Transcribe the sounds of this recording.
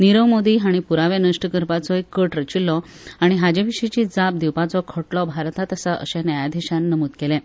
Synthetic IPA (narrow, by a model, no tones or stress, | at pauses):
niɾəʋmod̪iɦaɽ̃ipuɾaʋenəʂʈəkəɾpat͡sɔekːəʈɾət͡ɕilːɔ | aɽ̃iɦad͡ʑeʋiɕit͡ɕid͡zap̚d̪iwpat͡sɔkʰəʈlɔbʱaɾt̪at̪əsaʔə̰ɕẽnajad̪ʱiɕãnːəmuːt̪kelɛ̃